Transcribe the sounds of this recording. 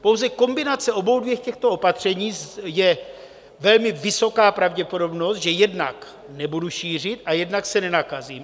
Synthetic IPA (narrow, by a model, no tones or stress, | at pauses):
powzɛko̞mbɪnat͡sɛo̞bo̞wdvjɛxcɛxt̪o̞opat̪r̝̥ɛɲiːjɛ | vɛlmɪvɪso̞kaːpɾavɟɛpo̞do̞bno̞st̪ʒɛjɛdna̰k | nɛbuduʃiːr̝ɪt̪ajɛdnaksɛnɛnakaziːm